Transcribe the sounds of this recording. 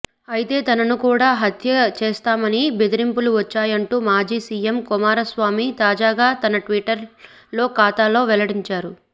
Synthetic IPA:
ɐjit̪e̞ːt̪ɐnɐnukuːɽaːɦɐt̪ʰjɐt͡ʃeːst̪aːmɐnibed̪iɾimpuluʋɐt͡ʃːaːjɐɳʈuːmaːd͡ʒiːsiːjemkumaːɾɐsʋaːmit̪aːd͡ʒaːɡaːt̪ɐnɐʈʋiʈɐɾ | lo̞ːkaːt̪aːlo̞ːʋɛlɐɽiɲt͡ʃaːɾu

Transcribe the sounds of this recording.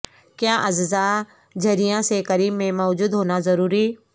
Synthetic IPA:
kjaːʔɐzza | d͡ʒʱɐɾijãsekəɾiːmːẽmɔːd͡ʒuːd̪ɦoːnazɐɾuːɾiː

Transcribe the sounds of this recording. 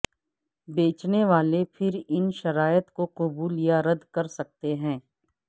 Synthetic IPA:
beːt͡ʃneʋaːlepʰɪɾɪnʃɐɾaːjət̪koqʊbuːlijaɾɐd̪kɐɾsɐk̚t̪eɦɛ̃ː

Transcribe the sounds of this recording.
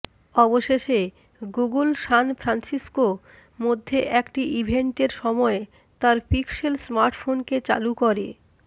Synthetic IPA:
ɔboʃeʃe | ɡuɡulʃanfɾansisko | mod̪ʱːeʔɛkʈiʔibʱeɳʈeɾʃɔmɔe | t̪aɾpikselsmaɾʈfʰonket͡ɕa̰lukɔɾe

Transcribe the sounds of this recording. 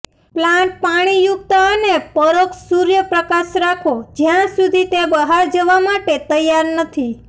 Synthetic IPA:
plãɳʈ̚paɽ̃ijuk̚t̪əənepəɾoksuɾjəpɾəkaʃɾakʰod͡ʒjãsud̪ʱit̪ebəɦaɾd͡ʒəʋamaʈet̪əjːaɾnət̪ʰi

